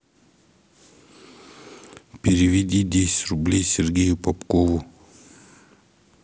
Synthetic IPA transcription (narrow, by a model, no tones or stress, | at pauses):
pʲɪɾʲɪvʲid̪ʲidʲesʲɪ̥t̪ʲrʊblʲejsʲerɡʲejʊpɐpkovʊ